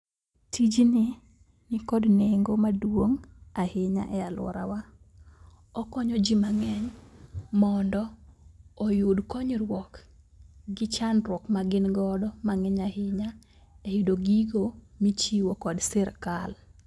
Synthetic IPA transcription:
tid͡ʒnɪ | nɪkɔdneŋɡomadwoŋahɪɲa̰ʔɛalwɔ̰ɾa̰wa | ɔkɔɲɔd͡ʒimaŋɛɲ | mɔndɔː | jodkɔɲrwɔk | ɡɪt͡ʃanɾwɔkmaɡɪnɡɔdɔmaŋɛɲahɪɲa | ɛjidoɡiɡomit͡ʃiwokɔdsɪɾkal

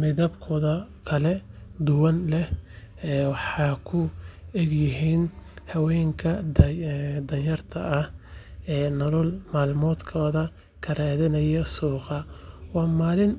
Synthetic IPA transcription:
mɪðɐbkʰɔːðɐkʰɐlɛd̪ʊwɐnlɛh | ɛːwɑħɑːkʰʊɛɡjɪɦiːnhɐwɛːŋkʰɐ | d̪ɐnjɐrt̪ʰɐɐhɛːnɐlɔlmaːlmɔːd̪kʰɔːðɐ | kʰɐɾaːðɪnɐjɔsuːqɑwɑːmaːlɪn

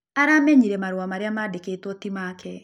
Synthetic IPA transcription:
aɾamɛɲiɾɛmaɾwamaɾeamadekeːtwɔtimaːkʰɛ

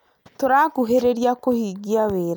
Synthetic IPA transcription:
toɾakuɦeɾeɾiakohiːɡiaβeːɾa

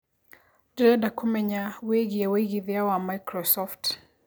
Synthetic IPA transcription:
dɛdakumɛɲaweɣiaweɣiðjawamajkɾɔsɔft

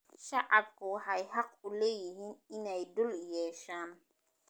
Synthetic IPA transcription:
ʃɑʕɑbkʰʊwɑħɑjhɑqʊlɛːjɪɦiːnɪnɛjd̪ʊljɛːʃaːn

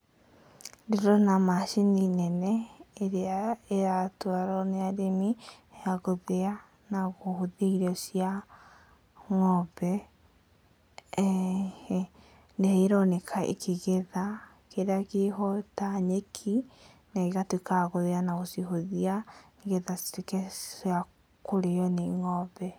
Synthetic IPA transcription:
deɾɔnamaʃininɛnɛeɾeaeatwaɾɔneaɾemieaɣoðea | naɣohoðeiɾɔsia | ŋɔβɛ | ndeeɾɔnɛkʰaḛkʰeɣeða | keɾeaɣeɦɔtaɲekʰi | naɣeɣatwekaɣoðeanaɣosiɦoðia | eɣeðastekɛsa | koɾeɔneŋɔβɛ

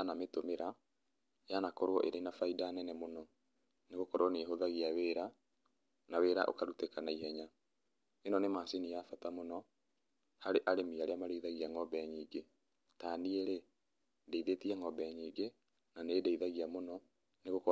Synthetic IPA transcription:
anametomeɾa | janakɔɾwɔʔeɾenafaidanɛnɛmonɔ | neɣokɔɾwɔneɦoðaɣiaweːɾa | naweːɾa̰ʔo̰kaɾutekanaiɦɛɲa | enɔnemasinijafatamonɔ | haɾeʔaɾemiaɾeamaɾeiðaɣiaŋɔbɛɲiːɡe | taːnieɾe | deiðetiɛŋɔbɛɲiːɡe | nanedeiðaɣiamonɔ | neɣokɔ

